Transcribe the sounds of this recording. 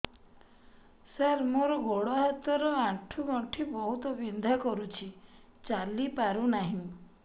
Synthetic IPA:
saɾmoɾɔɡoɽɔɦat̪ɔɾɔaʈʰuɡɔɳʈʰibɔɦut̪ɔbind̪ʱakɔɾut͡ʃʰi | t͡ʃalipaɾunaɦĩ

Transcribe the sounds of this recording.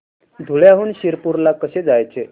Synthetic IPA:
d̪ʱuɭjaɦuːnɕiɾpuɾlakəɕed͡zajt͡se

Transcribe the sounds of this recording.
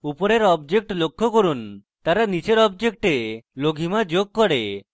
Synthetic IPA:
upɔɾeɾɔbd͡ʒek̚ʈlokʰːokoɾunt̪aɾanit͡ʃeɾɔbd͡ʒek̚ʈeloɡʱimad͡ʒoɡ̚kɔɽe

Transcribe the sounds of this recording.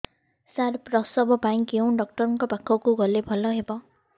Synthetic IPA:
saɾpɾʌsʌbʌbaj̃kew̃ɖʌk̚ʈʌɾŋkɔbakʰːɔkuɡʌlebʱʌlʌɦebʌ

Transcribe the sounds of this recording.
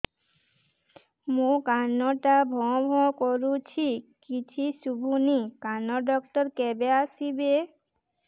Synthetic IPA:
mũkanoʈabʱɔ̃bʱɔ̃koɾut͡ɕʰikit͡ɕʰiʃubʱunikanoɖɔk̚ʈoɾkɛbeaʃibe

